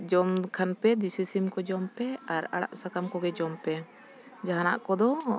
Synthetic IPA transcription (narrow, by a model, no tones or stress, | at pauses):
d͡ʒɔmkʰanpɛd̪isisimkɔd͡ʒɔmpɛaɾa̰ɽa̰ʔsakamkɔɡɛd͡ʒɔmpɛ | d͡ʒaɦanaʔkɔd̪ɔ